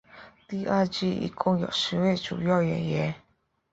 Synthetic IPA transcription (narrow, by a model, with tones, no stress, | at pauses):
t̪i˥ʔa˥˦d͡ʑi˥˨ḭ˨kʰo˥ŋjɑ̰˨ʃi˧˨˦we˥˨ʈ͡ʂṵ˨ja˥˨ʊjɛ̰˨˩˨jɛ˧˦